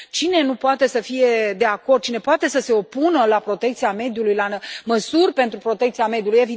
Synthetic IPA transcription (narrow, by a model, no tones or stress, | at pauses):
t͡ʃine̞nupoat̪e̞səfije̞d̪e̞ako̞rd̪̚t͡ʃine̞poat̪e̞səse̞o̞punəlapɾo̞t̪e̞k̚t̪siame̞d̪julujlaməsurʲpe̞nt̪ɾupɾo̞t̪ekt̪siame̞d̪juluje̞vi